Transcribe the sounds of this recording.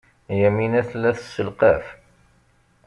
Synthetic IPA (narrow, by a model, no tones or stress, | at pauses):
jæminæθlːæθə̥sːəlqæf